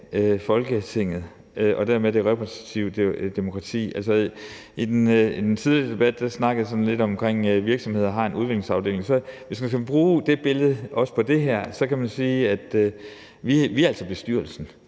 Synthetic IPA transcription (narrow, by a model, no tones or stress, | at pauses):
øfɒ̽lɡ̥ət͡sʰe̝ŋ̰ð̩ˠ | øʔɒ̽d̥eɐmed̥e̝ʁɛpʰʁəsi̥t͡sʰiʊ̥d̥emo̝kʰʁɑ̈t͡sʰḭːʔæl̰sɒ | id̥enid̥ent͡sʰið̞ˠlid̥e̝b̥æd̥d̥æsnɑ̈ɡ̥ðˠsɒ̽n̩le̝d̥ɒ̽mkʰʁeŋ̰ʋiɐɡ̥sɒ̽mhe̝ð̞̰ˠɐɦɑ̈e̝nʔuðˠe̝ɡ̥le̝ŋsɑ̈ʊde̝̰ːleŋsɒ̽ʋe̝smænskʰæb̥ʁuːd̥e̝b̥e̝lð̞̩ˠɒ̽spʰɒ̽d̥e̝ɦæɐ̰sɒ̽kʰæmænsiːæd̥ | ʋiʋiæl̰sɒb̥e̝sd̥yɐlsn̩